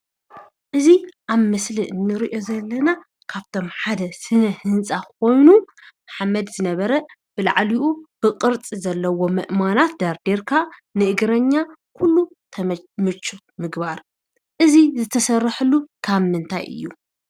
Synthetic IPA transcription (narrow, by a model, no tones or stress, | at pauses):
ʔɨziʔaβmɨsliʔɨnːɨɾiʔo̞zɐlːɐna | kʰaβt̪ʰo̞mħad̪ɐsɨnɐhɨnsʼakʰo̞jnu | maħamːɐd̪zɨnɐβɐɾɐ | b̥ɨla̰ʕliʔub̥ɨqʼɨɾt͡sʼizɐlːɐwo̞mɨ̰ʔmanat̪̚d̪aɾd̪eɾkʰanɨʔɨɡɾɐɲːakʰulːu | t̪ʰɐmɨt͡ʃʰʼːu | mɨɡbaɾ | ʔɨzizɨt̪ʰɐsɐrːɨħɨlːukʰaβmɨnt̪ʰa̰jʔɨ̰jːu